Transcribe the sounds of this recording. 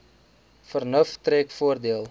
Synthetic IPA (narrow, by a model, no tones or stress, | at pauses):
fərnəftrɛːkfuərdiəlˠ